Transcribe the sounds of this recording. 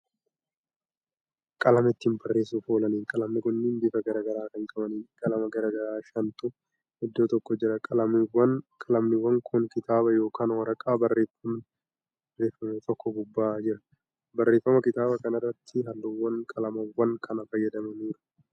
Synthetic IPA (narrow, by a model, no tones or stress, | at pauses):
kʼɐlɐmɐɪt̪ːɪɪmpɐrːe̞ːsufoːlɐniːŋkʼɐlɐmnɪkʊnːɪnb̪ɪfɐɡɐɾaːɡɐɾaːkɐŋkʼɐbɐniːkʼɐlɐmɐɡɐɾaːɡɐɾaːʃɐnt̪ʼʊ | hɪd̪ːoːt̪ɔkːɔd͡ʒɪɾɐkʼɐlɐmɪwɐnkʼɐlɐmnɪwɐŋkʰʊŋkɪt̪aːbɐjo̞ːkaːnwɐɾɐkʼaːbɐrːeːfɐm | re̞ːfːɐmet̪ʼɔkːɔbʊbːaːd͡ʒɪɾɐ̥ | bɐrːe̞ːfːɐmɐkɪt̪aːbɐkɐnɐrːɐt̪ʰːɪɦɐlːuwːɐŋkʼɐlɐmɐwːɐŋkʰɐnɐfɐjːɐd̪ɐmɐniːɾʊ̥